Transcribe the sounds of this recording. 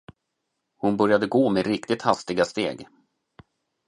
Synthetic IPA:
hʊnbœɾjad̪əɡoːmɛɾɪkt̪ɪt̪hast̪ɪɡast̪eːɡ

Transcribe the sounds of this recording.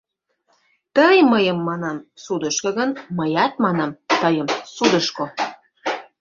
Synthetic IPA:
t̪əjməjəmːɑnɑmsud̪əʃkoɣənməjɑt̪̚mɑnɑmt̪əjəmsud̪əʃko

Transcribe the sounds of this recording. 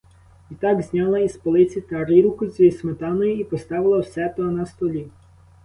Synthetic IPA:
it̪ɑɡzʲnʲɑlˠɐispɔlˠɪt͡sʲit̪ɐɾɪɾukʊzʲismet̪ɑnɔjʊipɔst̪ɑʋɪlˠɐwsɛt̪ɔnɐst̪ɔlʲi

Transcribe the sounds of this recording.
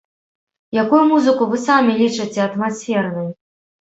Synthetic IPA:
jakujumuzɨkuvɨsamʲilʲit͡ʂɨt͡sʲɛɐt̪masʲfʲɛrnɨj

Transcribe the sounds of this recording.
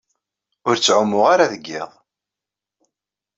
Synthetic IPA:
ʊɾt͡sːʕʊmːʊʁaɾaðəɡːɪ̰ðˤ

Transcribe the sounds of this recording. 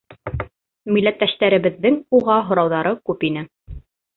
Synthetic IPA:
milːæt̪ːæʃt̪æɾɘ̆βɘ̆ðːɘŋuʁɑɦŏɾɑwðɑɾɤkʉpinɘ

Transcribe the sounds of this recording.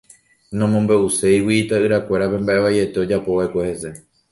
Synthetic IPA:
nõmõmbe̞ʔuse̞jwit̪aɨɾakʷe̞ɾapẽ̞mbaʔe̞ʋaje̞t̪e̞o̞d͡ʒapo̞ʋaekʷe̞he̞se̞

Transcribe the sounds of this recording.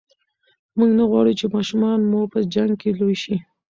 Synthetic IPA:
muɡnaɣwɑɽut͡ʃemɑʃumɑnmoɾpəd͡ʒaŋɡ̚kelojʃi

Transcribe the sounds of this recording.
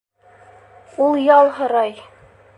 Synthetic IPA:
ulˠjɑlˠɦɤ̆ɾɑj

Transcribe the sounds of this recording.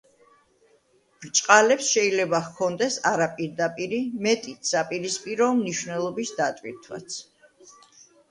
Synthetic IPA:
b̥ɾt͡ʃʼqʼalɛpsʃɛilɛbaχkʰɔnd̪ɛsaɾapʼiɾd̪apʼiɾimɛt̪ʼit̪ʰsapʼiɾispʼiɾɔːmniʃvnɛlˠɔbisd̪at̪ʼviɾt̪ʰwa̰t̪sʰ

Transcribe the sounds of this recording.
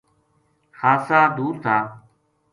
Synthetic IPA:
xaːsaːd̪uːɾt̪ʰaː

